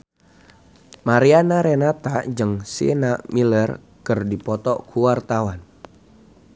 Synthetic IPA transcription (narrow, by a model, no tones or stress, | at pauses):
maɾianaɾenat̪ad͡ʒɨŋsḭnamilər | kɨrdipɔt̪ɔkʰuwart̪awan